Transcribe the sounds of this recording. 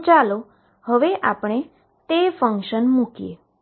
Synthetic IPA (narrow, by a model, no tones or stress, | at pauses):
t͡ʃalo | həʋeʔapɽ̃e | t̪efəŋkʃənmukijḛ